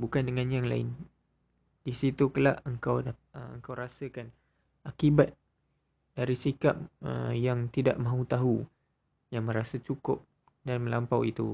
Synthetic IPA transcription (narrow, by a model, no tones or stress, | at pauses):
bukandəŋãnjaŋla̰ɪ̰n | disit̪ukəla̰ʔəŋkawa | əə̰ŋkawɾasakan | akibat̪̚ | d̥aɾisika̰p̚ə̰jaŋt̪idaʔmãɦut̪aɦu | jaŋmə̃ɾasat͡ʃukʊp̚ | danmə̃lampawit̪ṵ